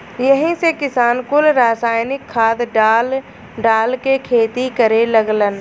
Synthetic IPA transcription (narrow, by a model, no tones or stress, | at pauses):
jəɦĩsekɪsaːnkʊlɾaːsaːɪnɪkʰːaːd̪ɖaːl | ɖaːlkekʰeːt̪ikəɾeləɡlən